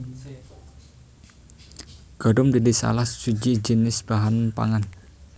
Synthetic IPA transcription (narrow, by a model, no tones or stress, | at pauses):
ɡ̥ɔ̤dʊmdidisa̰lahsud͡ʒid͡ʒənɪsb̥aɦanpa̰ŋan